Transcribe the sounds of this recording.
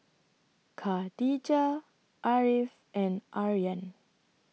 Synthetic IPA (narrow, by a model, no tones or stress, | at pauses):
kʰadid͡ʒa | ʔaɹif | ʔɛ̃nʔaɹiə̃n